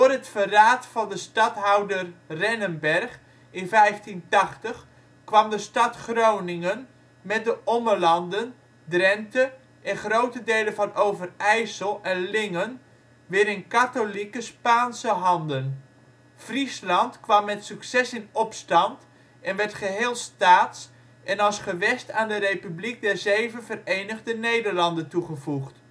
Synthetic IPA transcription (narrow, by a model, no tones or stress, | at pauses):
doərɦətfəraːtfɑndəstɑtɦawdərrɛnənbɛrχ | ɪnvɛjftintɑχtəχ | kʋɑmdəstɑtχrownɪŋən | mɛt̚dəʔɔməlɑndən | drɛntə | ʔɛnχrowtədejləvɑnowvərɛjsəlˠɛnlɪŋən | ʋɪːɾɪnkatolikəspaːnsəɦɑndən | frislɑntkʋɑmːɛtsyksɛsɪnɔpstɑnt | ɛnʋɛɹtχəɦeːlˠstaːts | ʔɛnɑlˠsχəʋɛstaːndəɾejpyblik̚dɛrzejvənvərejnəɣdənejdərlɑndəntuχəvuχt